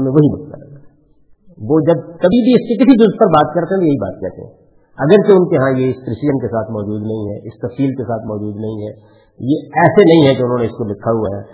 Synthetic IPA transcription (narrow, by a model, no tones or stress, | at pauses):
mẽʋɐɦibɐkk̪a̰ | ʋoːd͡ʒɐb̚kɐbʱibʱiɪskek̬ɪsid͡ʒʊzd̪̚pɐɾbaːt̪̚kɐɾt̪eɦɛ̃b̪jɐɦiba̰ːt̪̚kɛ̰ɾt̪ḛɦɛ̰̃ | ɐɡəɾt͡ʃeʊnkeɦãjeɪspɾɪsɪd͡ʒənkesaːt̪ʰmɔːd͡ʒuːd̪nɐɦĩɦɛ̰ːʔɪst̪ɐfsiːlkesaːt̪ʰmɔːd͡ʒuːd̪nɐɦĩɦɛː | jeɛːsenɐɦĩɦɛ̃d͡ʒoʊnɦõːneɪskolɪkʰːaɦuaɦɛː